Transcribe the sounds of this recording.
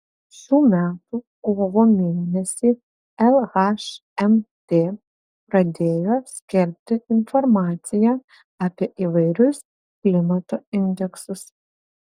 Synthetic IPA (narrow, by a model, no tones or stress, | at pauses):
ʃʲuːmʲæːt̪u | koːʋoːmʲeːlʲnʲɛsʲiː | ɛlˠɣɑʃɛmt̪ʲeː | pɾɐd̪ʲeːjoːsʲkʲɪɾʲp̚ʲt̪ʲɪɪnfɔɾmɑːt̪sʲɪjæː | ɐpʲiɛʔiːʋɐɪɾʲʊs | klʲɪmɐt̪oːɪnʲd̪ʲɛksʊs